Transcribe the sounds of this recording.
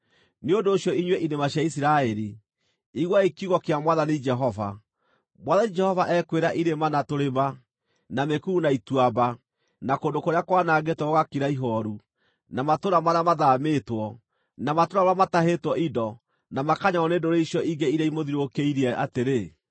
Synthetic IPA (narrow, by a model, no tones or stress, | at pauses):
neondoːɕjɔiɲweʔinemaɕjaisiɾaɛɾi | iɣwaikiuɣɔkeamwaðanid͡ʒɛɦɔva̰ | mwaðanid͡ʒɛhɔvaʔɛkweɾaʔiɾemanatoɾema | namekuːnaitwaba | nakondokoɾeakwanaːɡetɔoɣakiɾaiɦɔɾu | namatoɾamaɾamaðametwɔ | namatoɾamamataɦetwɔʔidɔ | namakaɲaɔnendoɾeiʃjɔiŋɡeiɾaimoðiɾokeiɾiɛa̰teɾe